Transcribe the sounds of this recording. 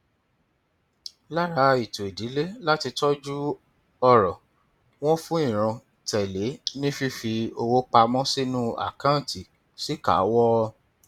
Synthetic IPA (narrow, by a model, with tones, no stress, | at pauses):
la˦ɾa˨˦i˨to˨i˨di˨˦le˦la˦ti˧tɔ˦d͡ʒu˦ | ɔ˦ɾɔ˨ | w̃ɔ̃˦fũ˦ĩ˦˨ɾ̃ã˧ | tɛ˨le˨˦nĩ˦fi˦fi˧o˧wo˦k͡pa˧mɔ̃˦si˦nũ˦a̰˦˨kã˦˨ti˨ | si˦ka̰˨˦wɔ˦˧